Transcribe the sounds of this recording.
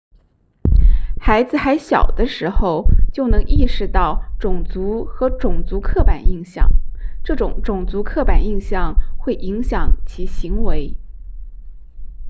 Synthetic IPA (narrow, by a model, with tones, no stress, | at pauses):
xa˧˥ɪd͡zɹ̩˧xa˧˥ɪɕjɑ̰˨˩ʊd̪ə˦ʂɻ̩˧˥xo˧ʊt͡ɕjo˥˩ʊnɤ˧˥ŋʔi˥˩ʂɻ̩˧˥t̪ɑ˥˩ʊʈ͡ʂʊ˨˩ŋt͡su˧˥xɤ˧˥ʈ͡ʂʊ˨˩ŋt͡su˧˥kʰɤ˥˩pa˨˩ni˥˧ŋɕjɑ̰˨˩ŋʈ͡ʂɤ˥˩ʈ͡ʂʊ˨˩ŋʈ͡ʂʊ˨˩ŋt͡su˧˥kʰɤ˥˩pa˨˩ni˥˧ŋɕjɑ˥˩ŋxwe˥˩ɪʔi˧˥ŋɕjɑ˨˩ŋt͡ɕʰi˧˥ɕi˧˥ŋwe˧˥ɪ